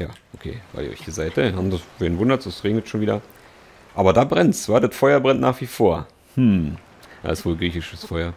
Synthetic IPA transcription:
jaːʔokʰḛːv̥a̰ɪldḭʔɔ̰çd̥iːzaɪtəhaːmdaveːnvʊndɐtsosʁeːŋɪt͡sʃoːnviːdɐ | ʔaːbɐdaːbʁɛnt͡sv̥aːdatfɔʏɐbʁɛntnaːχv̥iːfoːɐ | hm̩ | d̥a̰ːɪsv̥oːlɡʁiːçɪʃəsfɔʏɐ

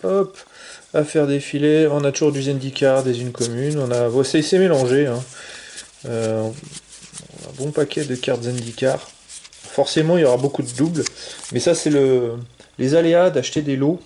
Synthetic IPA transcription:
ɔpafɛʁd̪efileɔ̃nat̪uʒuʁd̪yzɛ̃nd̪ikʲaʁd̪ezynkɔmynɔ̃navwasesemelɑ̃ʒeɛ̃ | ø | ɔ̰̃nã̰bɔ̃pakʲɛd̪əkʲaʁt̪zɛ̃nd̪ikʲaʁfɔʁsemɑ̃iljɔʁabokud̪əd̪ublmɛsasɛləlʔezalead̪aʃt̪ed̪elo

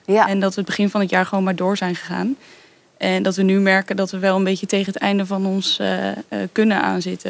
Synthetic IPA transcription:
ndɑtʋəəd̚bəχɪnvɑnɦətjaːɹχəʋownmaːɹdʊːɹzɛjnχəχa̰ːn | ʔɛndɑtʋənymɛɹkəndɑtʋəʋɛlˠənbejçətejχənɦətɛ̰jndəvɑnɔns | kɵnənʔa̰ːnzɪtə

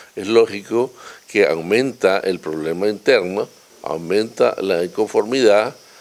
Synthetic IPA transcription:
eslo̞xikokea̰wmẽ̞nt̪aʔelpɾoβle̞maint̪e̞ɾno | a̰wmẽnt̪a̰laiŋko̞ɱfo̞ɾmiðað

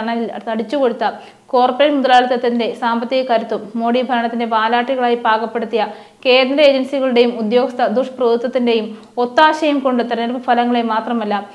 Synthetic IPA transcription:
ɳɐjilt̪ɐɽit͡ɕːuko̞ɽut̪ːɐ | ko̞ːrpɾeːɭmud̪ɐlaːlɐt̪ːɐt̪ːinde̞saːmbɐt̪ːiɣɐkɐɾut̪ːumːo̞ːɽibʱɐɾɐɳɐt̪ːinde̞paːlaːʈːiɣɐɭaːjibʱaːkɐpːe̞ɽut̪ːijɐ | ke̞ːnɾɐeːd͡ʑɐnsiɣɐɭuɽe̞jumud̪jo̞ːɡɐst̪ʰːɐd̪uʂprɐd̪ut̪ːɐt̪ːinde̞jum | o̞t̪ːaːɕɐjumko̞ɳɖɨt̪ɐɾɐneɾpɨfʰɐlɐŋːɐɭemaːt̪rɐmɐlːɐ

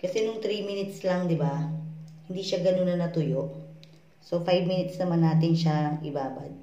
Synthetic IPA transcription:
kɐsɛnʊŋt̪ɾiːminɪt̪slɐŋd̪ɪbahɪnd̪iːʃaɡɐnonːɐnɐt̪ʊjoʔ | sofajbminɪt̪snɐmanːaːt̪ɪnʃaʔɪ̰baːba̰d̪̚

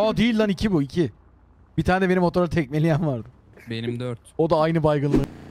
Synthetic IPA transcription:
ad̪ijlʲd̪anicʰibuicʰi | b̥it̪ʰaːneɛbe̞nimo̞t̪ʰoɾat̪ʰɛc̚me̞lʲijænvaɾd̪ɯ | benimd̪øɾt̪o̞d̪aajnɯbajɡɯnˠlˠɯ

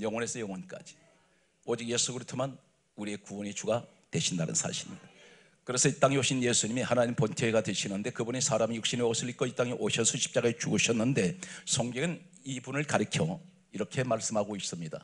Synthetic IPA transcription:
jʌŋwʌne̞sʰʌjʌŋwʌnk͈a̰d͡ʑi̥ | ʌd͡ʑik̚jesʰuɡɯɾitʰoman | uɾiekuʌɲit͡ɕuɡa | twe̞ɕʰindanɯ̰nsʰa̰ɕʰiɾḭ | kɯɾe̞sʰʌit͈aŋioɕʰinjesʰuɲimihanaɲimpontʰeiɡadwe̞ɕʰinɯnde̞kɯbunisʰaɾamijukɕ͈ineos͈ʰɯɭik͈oit͈aŋiʔoɕʰʌnsʰʌɕʰi̥p̚t͡ɕ͈aɡaet͡ɕuɡɯɕʰʌnːɯnde̞sʰʌŋɡeɡɯn | ibunɯɭkaɾɯkʰjo | iɾʌkʰe̞maɭs͈ɯmɦhaɡois͈ɯmɲida̰

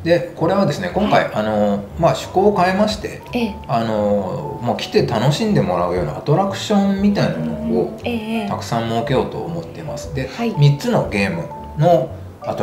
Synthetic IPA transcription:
d̪e̞ko̞ɾe̞βad̪e̞sɨne̞kõ̞ŋkaiʔano̞maɕɨ̥ko̞ːkae̞maɕi̥t̪e̞̰ | ano̞moːkʲi̥t̪e̞t̪ano̞ɕĩnd̪e̞mo̞ɾaɯ̟jo̞ːna̰at̪o̞ɾakɯ̟̥ɕõ̞mmʲit̪̬ainamo̞noːt̪akɯ̟̥sãmmoːke̞jo̞ːt̪o̞̰ːmo̞t̪ːe̞ma̰sɨ̥d̪e̞mʲit͡sɨno̞̰ɡʲe̞ːmɯ̟̰ | no̞ | at̪

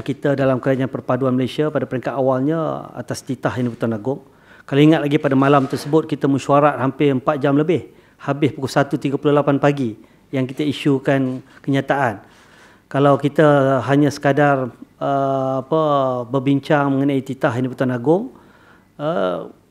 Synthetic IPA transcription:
nkit̪ədalamkəlaɲanpərpaduanməlajsiapadapəɾiŋkat̪awalɲəa̰t̪ast̪it̪ahiniput̪uanaɡʊŋ | kaloiŋat̪̚laɡipadamalamt̪ərsəbʊt̪̚kit̪əmə̃ʃuaɾat̪̚hampɪəmpat̪̚d͡ʒamləbɪh | habɪspukʊlsat̪ut̪iɡapulʊhlapanpaɡi | jaŋkit̪əiʃukankəɲat̪aʔan | kalawkit̪əɦaɲãsə̥kadarəapəbərbiɲt͡ʃaŋmə̃ŋənait̪it̪aɦiniput̪uanaɡʊŋ | ə

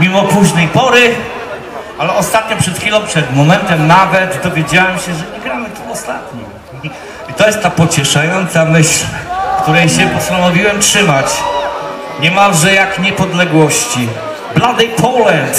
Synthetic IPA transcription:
mʲimɔpuʑnɛjpɔɾɪ | alɛʔɔst̪at̪̚ɲɔpʂɛt̪xfʲilɔ̃w̃pʂɛd̪mɔmɛnt̪ɛmnavɛt̪d̪ɔvʲjed͡ʑawɛmɕɛʐɛɲɛɡɾamɘt̪uɔst̪a̰t̪ɲi | i | it̪ɔjɛst̪t̪ːapɔt͡ɕɛʂajɔnt̪samɘɕlkt̪uɾɛjɕɛpɔst̪anɔvʲiwɛmtʂɘmat͡ɕ | ɲɛmalʐɛjakɲɛpɔd̪lɛɡwɔɕt͡ɕi | blad̪ɛjpʰɔlɛnt̪

